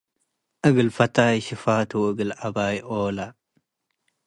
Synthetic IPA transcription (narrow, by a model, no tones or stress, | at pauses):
ʔɨɡɨlfɐt̪aːjʃɪfaːt̪ʰuɨɡɨlʔabaːjʔoːla